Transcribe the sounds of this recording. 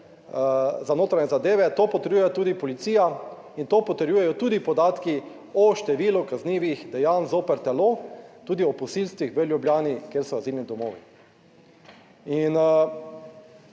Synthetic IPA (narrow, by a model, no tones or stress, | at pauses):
zanoːt̪ɾaɲɛzad̪eːʋɛt̪oːpɔt̪ɛɾjujɛt̪uːd̪ipɔlit̪siːja | int̪oːpɔt̪ɛɾjuːjɛjɔt̪uːd̪ipɔd̪aːt̪ki | ɔʃt̪ɛʋilukazniːʋixd̪ɛjanzoːpɛɾt̪ɛloːt̪uːd̪iɔpɔsilst̪ʋixʋəlʲjubjaːnikjeːɾsɔazilnid̪ɔmoːʋi | in